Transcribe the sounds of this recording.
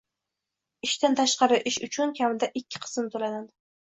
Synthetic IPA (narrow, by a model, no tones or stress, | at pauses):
ɪʃt̪ant̪ʰaʃqɑɾɪʔɪʃʊt͡ʃʰʊnkʲʰamɪd̪aʔɪkʲʰːɪ̥qʰɨ̥sɪmt̪ʰolanad̪ɪ